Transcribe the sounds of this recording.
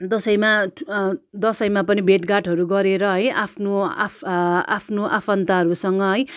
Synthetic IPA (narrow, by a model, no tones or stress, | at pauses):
d̪ʌsʌjma | d̪ʌsʌjmapʌnibʱeʈɡaʈɦʌɾuɡʌɾeɾʌɦʌjapʰnoaa̰pʰnoʔapʰʌnt̪aɦʌɾusʌŋɡʌɦʌj